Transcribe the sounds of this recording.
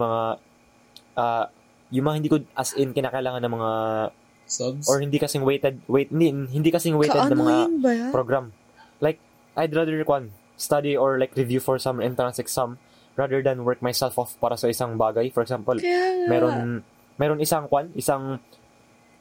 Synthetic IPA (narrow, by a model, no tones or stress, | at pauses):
mɐŋa | ʔaː | jʊŋmɐŋahɪnd̪iːkod̪̚ʔɐsʔɪnkɪnaːkɐɪlaːŋɐnɐŋmɐŋa | oɹhɪnd̪ikɐsɪŋwejt̪ɛd̪̚wejt̪̚ɪnd̪inhɪ̃nd̪ikɐsɪŋwejt̪ɛd̪ɐŋmɐŋapɾoɡɾam | lajk̚ | ʔajd̪ɾad̪ɛɹkwan | st̪ad̪ioɹlajkɾɪvjufɔɹsɐmʔɛ̃nt̪ɾansɛksam | ɹaːd̪ɛɹd̪ɐnwɛɹk̚majsɛlfofpaːɾɐsɐʔɪsaŋbaːɡɐjfɔɾɛksampɐlmɛːɾon | mɛːɾonɪsaŋkwanʔɪsaŋ